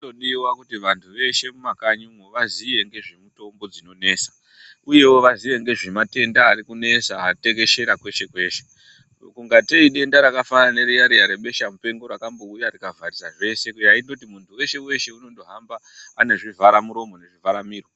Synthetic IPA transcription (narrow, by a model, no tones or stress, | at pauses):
toɗiwakutiʋantʰuʋe̞ʃe̞mumakaɲumoʋaziʋe̞ŋɡe̞ʐemuto̞mbo̞d͡zino̞ne̞sḁ | uje̞wo̞ʋaziʋe̞ŋɡe̞ʐemate̞ndaːɾikune̞saate̞ke̞ʃe̞ɾakwe̞ʃe̞kwe̞ːʃe̞ | kuŋɡateiɗe̞ndaɾakafanane̞ɾijaɾijaɾeɓe̞ʃamupe̞ŋɡo̞ɾakambo̞ujarikavʱarizaʐe̞se̞kujaitdotimuntʰuwe̞ʃe̞we̞ʃe̞uno̞ndo̞ɦambaː | ne̞ʐivʱaɾamuɾo̞mo̞ne̞ʐivaɾamiːro